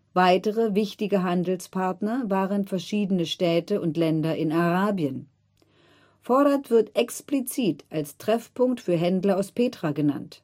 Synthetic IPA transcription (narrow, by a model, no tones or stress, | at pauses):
vaɪtəʁəvɪçtɪɡəɦandl̩spʰaɐtnɐvaːʁənfɛɐʃiːdənəʃtɛːtəʊntlɛndɐʔɪnaʁaːbjən | fɔɐɾɐtv̥ɪɐtɛksplit͡siːtalstʁ̥ɛfpʰʊŋktfyːɐɦɛndlɐaʊspʰeːtʁ̥aɡəna̰nt